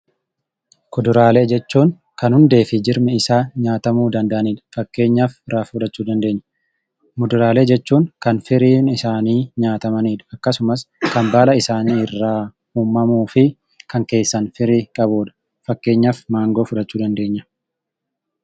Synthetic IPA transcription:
kʊd̪ʊɾaːle̞ːd͡ʒɛt͡ʃːuːŋ | kɐnhʊnd̪e̞ːfɪd͡ʒɪɾmɛɪsaːɲaːt̪ɐmuːd̪ɐnd̪ɐʔɐniːᶑ̪ɐ̥fɐkːe̞ːɲːaːfɪrːaːffʊᶑ̪ɐt͡ʃːuːd̪ɐnd̪e̞ːɲːɐ̥ | mʊd̪ʊɾaːle̞ːd͡ʒɛt͡ʃːuːŋkɐnfɪɾiːnɪsaːniːɲaːt̪ɐmɐniːᶑ̪ɐ̥ɐkːɐsʊmɐskɐnbaːlɐɪsaːniːɪrːaː | huːmːɐmuːfɪ | kɐŋke̞ːsːɐnfɪɾiːkʼɐboːd̪ɐ̥ | fɐkːe̞ːɲːafmaːŋɡo̞ːfʊᶑ̪ɐt͡ʃːuːd̪ɐnd̪e̞ːɲːɐ̥

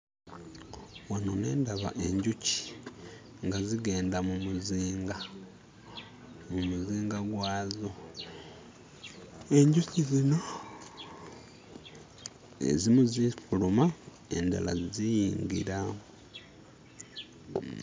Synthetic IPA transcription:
wanone̞ːndaβa̰ʔe̞ɲɟuci̥ | ŋɡaziɡe̞ːndamumuziːŋɡa | mumuziːŋɡaɡwaːzo | e̞ɲɟucizino̞ | ḛzimuzifuluma | e̞̰nda̰la̰zizijiːŋɡḭɾa

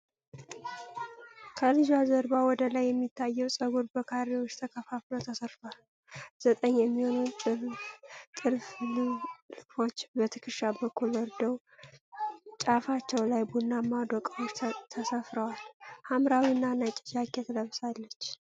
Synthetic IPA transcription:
kʰəlɨd͡ʒazəɾbawɔd̪əlajːɛmːit̪ʰːajːɛwsʼəɡuɾbəkʰaɾiwot͡ʃːt̪ʰəkʰəfafləwt̪ʰəsəɾt̪əwal | z̥ət̪ʼəɲːjɛmːiho̞nuɨ | t̪ʼɨɾfl | fo̞t͡ʃːbət̪ʰɨkʰɨʃabəkʰːulwɔɾd̪əw | t͡ʃʼafat͡ʃːɛwlajbunːamːad̪ɔkʼawot͡ʃːt̪ʰəsəfɾəwalhamɾawinːanat͡ʃʼɪt͡ʃakʰːɛt̪ʰələβsalːət͡ʃː

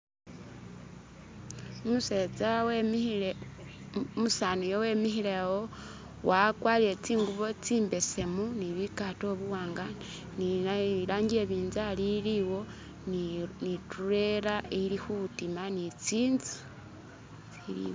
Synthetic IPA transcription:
omuse̞t͡saw | musanujowe̞mixiɾewo | wakwaːliɾet͡siːŋɡuβo̞t͡siːmbe̞se̞muniβikato̞βuwaːŋɡan | niɾaːŋɡijeβiːnzaliliwo̞ | nituɾe̞ɾailixuβutimanit͡siːnzi̥ | t͡siɾḭ

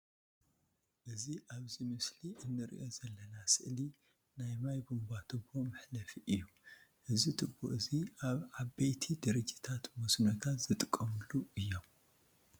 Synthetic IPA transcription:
ʔɨziʔaβzimɨsliʔɨnːɨɾḭʔo̞zɐlːɐnasɨʔli | najmajbumbat̪ʰɨbːomɐħlɐfiʔɨjːu | ʔɨzit̪ʰɨbːo̰ʔɨziʔaβʕabejt̪ʰid̪ɨɾɨd͡ʒit̪ʰat̪mɔsnot̪ʰat̪z̥ɨt̪ʼɨkʼːɐmɨlːuɨjːo̞m

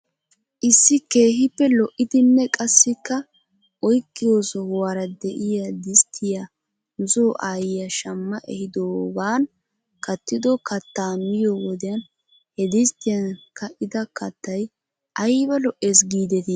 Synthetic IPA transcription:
ʔɪsːɪke̞ːɦɪpːɛlɔʔːɪd̪ɪnːɛkʼɐsːɪkːɐ | ʔɔjkːɪjo̞ːsɔhwaɾɐd̪ɛʔɪjad̪ɪst̪ʰːɪja | nʊzoːʔaːjɪjɐʃɐmːɐʔɛ̰hɪd̪oːbaːn | kɐt̪ːɪd̪ɔkɐt̪ːaːmːɪjɔwɔd̪ɛjɐn | hɛd̪ɪst̪ːɪjɐnkɐʔɪd̪ɐkɐt̪ːɐj | ʔɐjbɐlɔʔe̞ːsɡiːd̪ɛt̪ɪ

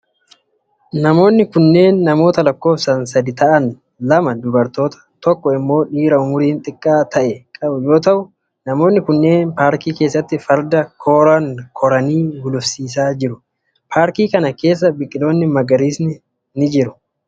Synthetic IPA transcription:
nɐmo̞ːnːɪkʊnːe̞ːnːɐmo̞ːt̪ɐlɐkːo̞ːfsɐns̬ɐd̪ɪt̪ɐʔɐn | lɐmɐd̪ʊbɐɾt̪o̞ːt̪ɐ̥t̪ɔkːɔɪmːo̞ːᶑiːɾɐʊmʊɾiːnt̪ʼɪkʼːaːt̪ʰɐʔɛkʼɐbʊjo̞ːt̪ɐʔʊ | nɐmo̞ːnːɪkʊnːe̞ːnpaːɾkiːke̞ːsːɐt̪ːɪfɐɾd̪ɐkʰo̞ːɾaŋkʰɔɾɐniːɡʊlʊfsiːs̬aːd͡ʒɪɾʊ | pʰaːɾkiːkɐnɐke̞ːs̬ːɐbɪkʼːɪlo̞ːnːɪmɐɡɐɾiːsnɪ | nɪd͡ʒɪɾʊ̥

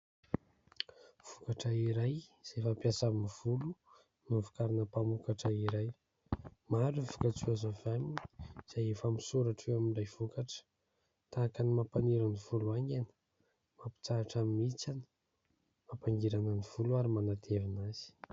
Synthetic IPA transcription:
v̥ukaʈ͡ʂəiɾajz̥efapjasamniv̥ulu | nuvu̥kaɾinəpamukaʈ͡ʂəiɾaj | maɾuvu̥kat͡suazovaminiz̥ajefamisuɾaʈ͡ʂewaminɖ͡ʐajvukaʈ͡ʂə̥ | t̪aːkanimapaniɾanivuluaŋɡanə̥ | mapi̥t͡saaʈ͡ʂamimit͡sanə̥ | mapaŋɡiɾanəniv̥uluaɾimanat̪ʰevinaz̥i̥

